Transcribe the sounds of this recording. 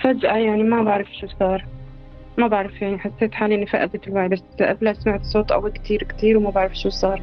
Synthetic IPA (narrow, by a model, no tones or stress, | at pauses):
fad͡ʒʔajaʕnimabaʕɾɪfʃuːsˤɑːɾˤ | mabaʕɾˤɪfjaʕniħasːeːt̪ħaːliʔɪnːifaʔa̰d̪et̪ɪlwaːʕibasːʔa̰blasmaʕt̪sˤoːt̪ˤʔa̰wɪkt̪ʰiːɾkt̪iːɾwmabaʕɾɑfʃuːsˤɑːɾˤ